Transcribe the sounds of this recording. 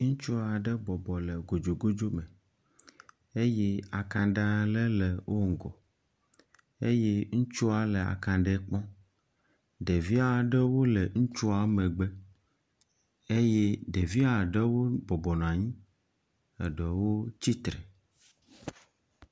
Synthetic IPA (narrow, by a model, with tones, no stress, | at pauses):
ŋ̩̃˦t͡ʃu˦a˨ɖɛ˦bɔ˨bɔ˨lɛ˨ɡo˨d͡ʒo˨ɡo˦d͡ʒo˦mɛ˨ | e˦jɛ˦a˨kã˨ɖa˦˨le˦lɛ˨wʔo˦ŋ̩˨ɡɔ˨ | e˦je˦ŋũ˦t͡ʃu˦a˨le˨a̰˨kã˨ɖe˦k͡pɔ̃˦ | ɖe˨vi˦a˨ɖe˦wo˦le˨ŋ̩̃˦t͡ʃu˦a˨mẽ˨ɡ͡be˦ | e˦jɛ˦ɖe˨vi˦a˨ɖe˦wo˦bɔ˨bɔ˨nã˨ɲĩ˦ | ḛ˨ɖe˨wo˦t͡ɕi˦t̪ɾɛ˨